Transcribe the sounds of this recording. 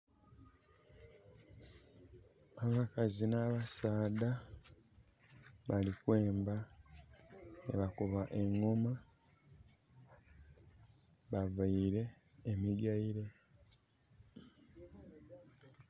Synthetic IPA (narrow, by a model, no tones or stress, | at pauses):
aβakazinaːβasaːd̪a | βalikwe̞ːmba | nḛβakuβaʔe̞ŋːoma | βavaiɾe̞ː | miɡaiɾe̞